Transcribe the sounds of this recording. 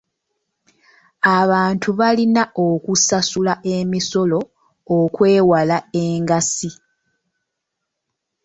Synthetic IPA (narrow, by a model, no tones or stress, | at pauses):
aβaːntʰuβalinaʔokusasulaʔe̞miso̞lo̞ | okwe̞ːwalae̞ːŋɡasi